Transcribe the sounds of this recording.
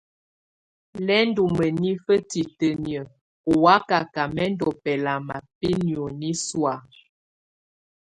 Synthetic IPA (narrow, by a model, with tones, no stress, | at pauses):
lɛ˦n˦du˨mə˨ni˦fə˦ti˨tə˨njə˨ | ɔ˨wa˦ka˨ka˨mɛ˦n˦dɔ˨pɛ˨la˨ma˨pi˦njo˨ni˦swa˨